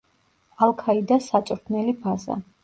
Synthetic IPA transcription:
alˠkʰaid̪asat͡ʃʼɾt̪ʰnɛlipʰaza̰

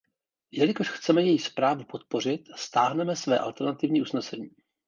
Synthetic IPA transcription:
jɛlɪko̞ʃxt͡sɛmɛjɛjispɾaːvupo̞t̪̚po̞r̝ɪt̪ast̪aːɦnɛmɛsvɛ̰ːʔa̰lt̪ɛɾnat̪ɪvɲiːʔusnɛsɛɲiː

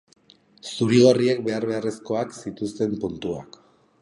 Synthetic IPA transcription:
suɾiɣoriek̚be̞aɾβe̞are̞sko̞aksit̪ust̪e̞mpunt̪uak

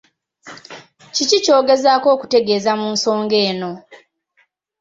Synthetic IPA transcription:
cicico̞ːɡe̞zaːko̞ːku̥te̞ɡe̞ːzamuːnso̞ːŋɡe̞ːno̞

